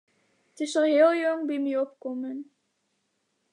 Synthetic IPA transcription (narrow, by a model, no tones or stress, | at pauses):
ətɪsəɦɪːlˠjɔŋbimiɔp̚kɔmən